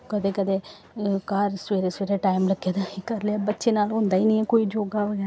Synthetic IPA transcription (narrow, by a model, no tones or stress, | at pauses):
kəd̪eːkəd̪eː | kaɾsʋeːɾeːsʋeːɾeːʈaːɪmləɡjeːd̪aikəɾlaːbətːʃeːnaːlɦʊ̃ːnd̪aːiːnĩːɛkoːiːd͡ʒoːɡaʋəɡɛːɾ